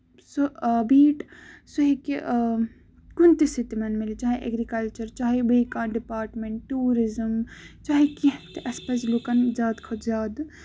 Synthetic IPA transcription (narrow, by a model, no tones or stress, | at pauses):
sobiːʈsuɦeki | kunt̪isit̪mɐnmilit͡ʃaːɦiʔɐ̰ɡɾikɐlt͡ʃɐɾt͡ʃaːɦibɐikãːɖipaːɾʈmeɳʈːuːɾizəmt͡ʃaːɦikit̪eʔɐspɐsloːkɐnzʲaːd̪kʰɐzjaːd̪